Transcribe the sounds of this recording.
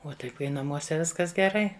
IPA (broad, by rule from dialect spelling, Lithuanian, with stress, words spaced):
ˈoː tɐɪ ˈkɐɪ nɐˈmuɔsʲɛ ˈʋʲɪskɐs ɡʲɛˈrɐɪ